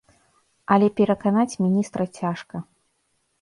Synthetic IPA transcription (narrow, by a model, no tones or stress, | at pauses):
ɐlʲɛpʲɛɾɐkanat͡sʲmʲinʲist̪ɾɐt͡sʲaʂkɐ